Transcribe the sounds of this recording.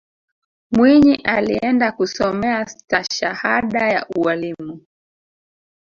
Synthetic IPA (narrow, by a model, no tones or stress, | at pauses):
mwiɲiʔaliɛndakusɔmɛastaʃahaɗaja̰ʔualimu